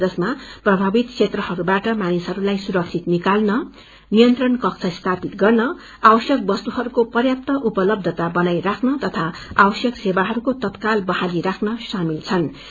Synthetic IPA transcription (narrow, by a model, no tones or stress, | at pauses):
d͡zʌsmaprʌbʱabit̪̚ksʰet̪rʌhʌɾubaʈʌmanisɦʌɾulajsuɾʌk̚t͡sʰit̪nikalnʌ | nijʌnt̪rʌnkʌk̚t͡sʰʌst̪ʰapit̪ɡʌrnʌ | awʌsjʌk̚bʌst̪uɦʌɾukopʌrjap̚t̪ʌʔupʌlʌb̚d̪ʱʌt̪abʌnajrakʰnʌt̪ʌt̪ʰaawʌsjʌksebaɦʌɾukot̪ʌt̪kalbʌhaliɾakʰnʌsamilt͡sʰʌn